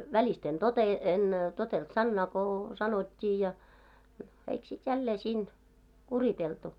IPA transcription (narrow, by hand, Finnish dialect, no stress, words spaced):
ʋælist en tote en totelt sɑnːɑː ko sɑnotʲːiː jɑ no eik sit jælːeː siːn kuriteltu